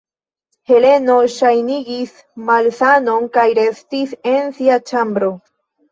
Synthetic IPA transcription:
he̞le̞no̞ʃajniɡis | malsano̞nkajɾe̞stise̞nsiat͡ʃambɾo̞

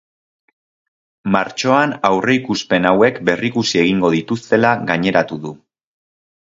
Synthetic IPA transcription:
maɾt͡ʃo̞anawre̞ikuspe̞nawe̞kbe̞rikusie̞ɣ̞iŋɡo̞ðit̪ust̪e̞laɣaɲe̞ɾat̪uðu

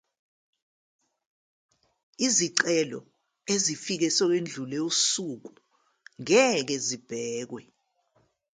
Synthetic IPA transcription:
iziǀɛlɔ̰ | ezifik̬ɛsɔk̬end͡ɮʱulɛusuk̬u | ŋɛk̬ezib̥ʱɛːk̬wɛ

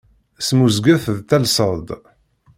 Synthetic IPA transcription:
smuzɡæθəðt̪ælsˤəd̪

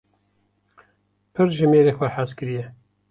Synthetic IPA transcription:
pʰɨɾʒɨmeːɾeːxwɐħaskɨɾijɛ

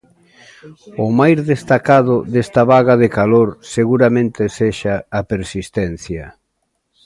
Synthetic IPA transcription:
ʊmajzðest̪akaðʊd̪est̪aβaɣaðekaloɾseɣuɾamẽnt̪eseʃaːpeɾsist̪ɛn̟θjɐ

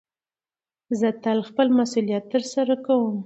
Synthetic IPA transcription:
zət̪alxpəlmasulijat̪ːəɾsaɾakawəm

